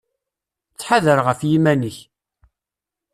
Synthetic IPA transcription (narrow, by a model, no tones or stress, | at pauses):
t͡sːħaðəɾʁəfjimænəç